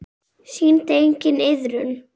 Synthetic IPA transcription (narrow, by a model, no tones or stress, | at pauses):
siːnt̪ejɲcɪnɪðɾʏn